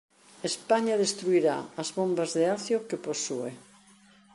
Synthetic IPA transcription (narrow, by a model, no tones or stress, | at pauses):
espaɲaðest̪ɾuiɾa̰ɐzβombazðeaθjokeposue